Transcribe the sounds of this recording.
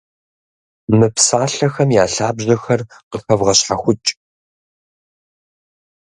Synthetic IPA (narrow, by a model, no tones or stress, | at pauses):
mɨpsaːɬɐxɐmjaːɬaːbʑɐxɐrqəxɐvʁɐɕħaxʷʊt͡ʃʼ